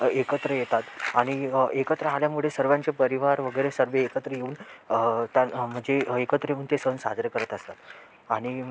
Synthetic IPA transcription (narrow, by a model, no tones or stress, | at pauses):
ekət̪ɾəjet̪at̪aɽ̃iekət̪ɾəaljamuɭesəɾʋãɲt͡sepəɾiʋaɾʋəɡəjɾesəɾʋeːkət̪ɾəjeuːn | t̪jam̤əɳd͡zeekət̪ɾəjeuːnt̪esənsa̰d̪ɾəkəɾət̪əst̪at̪ | aɽ̃i